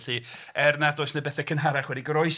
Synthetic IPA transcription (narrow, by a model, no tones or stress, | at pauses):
ɬi | ɛrnadʊɨsnebɛθɛkʰənɦaɾaχwɛdiɡrɔɨs